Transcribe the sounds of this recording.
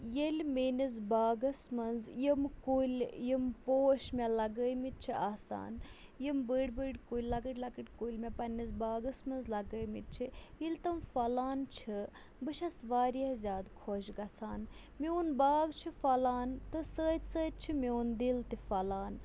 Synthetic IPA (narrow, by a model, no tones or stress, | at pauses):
jelʲmeːnizbaːɡɐsmɐnzjimkulʲjimpoːʃmʲɐlɐɡəjmit̪̚t͡ʃʰiaːsa̰ːnjimbəːɖʲbəːɖʲkulʲːɐkəʈʲlɐkəʈʲkulʲmʲepɐnːizbaːɡɐsmɐnzlɐɡəːjmḭt̪̚t͡ʃʰiilt̪ɐmfɐlaːnt͡ʃʰi | bɨʃɐsʋaːɾiɐzʲaːd̪kʰoːʃɡɐt͡sʰaːn | miunbaːɡt͡ʃʰifɐlaːnt̪ɨsəːt̪ʲsəːt̪̚ʲt͡ʃʰimʲewnd̪ilt̪ifɐlaːn